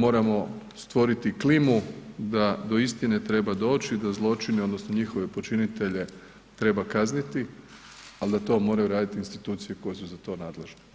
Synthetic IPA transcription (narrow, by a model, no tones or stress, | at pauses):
mo̞ːɾamo̞st̪ʋo̞ɾit̪iklimud̪ad̪o̞ist̪ine̞t̪ɾe̞bad̪o̞ːt͡ʃid̪azlˠo̞t͡ʃinio̞d̪nosno̞ɲixo̞ʋe̞po̞t͡ʃinit̪e̞ʎe̞ | t̪ɾe̞bakaznit̪i | ald̪at̪o̞ːmo̞ːɾajuɾaːd̪it̪iːnst̪i̥t̪uːt̪sije̞ko̞jesuzat̪o̞ːnaːd̪le̞ʒne